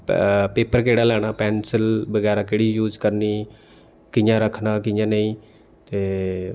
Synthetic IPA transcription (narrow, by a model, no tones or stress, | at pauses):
peːpəɾkeːɽaːlɛːɽ̃aːpɛːnsəlbəɡɛːɾãːkeːɽiːjuːd͡ʒkəɾniː | kɪjãːɾəkʰnaːkɪjãːnəĩː | t̪eː